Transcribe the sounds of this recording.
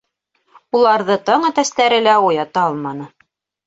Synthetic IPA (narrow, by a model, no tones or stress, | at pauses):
ulˠɑɾðɤt̪ɑɴɤt̪æst̪æɾɘ̆læujɑt̪ɑɑlˠmɑnɤ